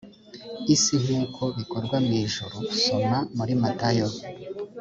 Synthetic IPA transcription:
isiɦikʰoβikoɾɡwamŋiːʒuɾoku̥somamuɾimatajo

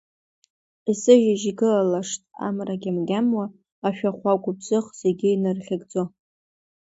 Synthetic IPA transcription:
isɨʒaʒiɡɨlalaʂtʼa̰mraɡʲamɡʲamwaː | ʃᶣaχʷakʷʼʊb̚zɨχz̥e̞ɡʲɪinɨrχʲɪɡd͡zo

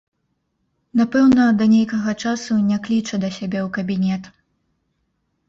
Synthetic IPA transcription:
napɛwnɐd̪ɐnʲejkɐɣɐt͡ʂasunʲaklʲit͡ʂɐd̪ɐsʲabʲɛwkɐbʲinʲɛt̪

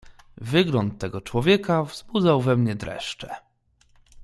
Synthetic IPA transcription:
vɘɡlɔnt̪ːɛɡɔt͡ʂwɔvʲjɛkavzbud̪zawvɛmɲɛd̪ɾɛ̰ʂt͡ʂɛ

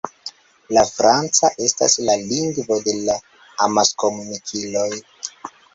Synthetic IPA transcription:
lafɾant͡saʔe̞sta̰slaliŋɡvo̞de̞laː | maskomunikʰilo̞j

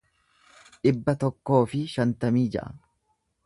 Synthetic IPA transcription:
ᶑɪbːɐt̪ɔkːo̞ːfɪʃɐnt̪ɐmiːd͡ʒɐ̰ʔɐ̰

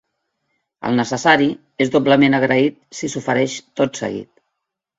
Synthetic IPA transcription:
ə̰lˠnəsəsaɾi | ezðopləmenəɣɾəit̪̚sisufəɾɛʃt̪ot̪sə̰ɣḭt̪

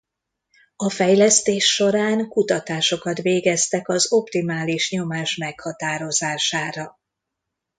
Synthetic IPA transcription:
ɒfɛjlɛst̪eːʃːo̞ɾaːŋkut̪ɒt̪aːʃo̞kɒt̪ʋeːɡɛst̪ɛkɒzo̞pt̪imaːliʃɲo̞maːʃmɛkhɒt̪aːɾo̞zaːʃaːɾɒ

